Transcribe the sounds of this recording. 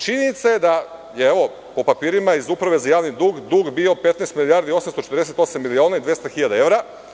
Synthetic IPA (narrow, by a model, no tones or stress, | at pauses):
t͡ʃiniit̪saed̪a | jeeʋo̞ | po̞papiːɾimaizupɾaʋe̞zajaːʋnid̪uːɡd̪uːɡbio̞pe̞t̪naest̪milijaɾd̪io̞samst̪o̞t͡ʃet̪ɾd̪eset̪o̞samːilio̞ːnaid̪vjest̪axiʎad̪ae̞ʋɾa